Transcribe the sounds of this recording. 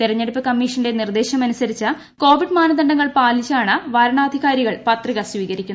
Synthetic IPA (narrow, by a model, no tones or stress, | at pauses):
t̪irɐɲːeɽupːɨkɐmːiːʂɐnɨde̞nird̪e̞ːɕɐmɐnusɐɾit͡ɕːɐ | ko̞ːʋiɖmaːnɐd̪ɐɳɖɐŋːɐɭpaːlit͡ɕːaːɳɐʋaːɾɐɳaːd̪ʱiɣaːɾiɣɐɭpɐt̪riɣɐsʋiːɣɐɾikʲːun